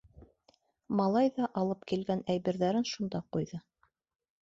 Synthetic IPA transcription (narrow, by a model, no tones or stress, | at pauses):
mɑlˠɑjðɑʔɑlˠɤpkilɡænæjβɘ̆ɾðæɾɘnʃund̪ɑqujðɤ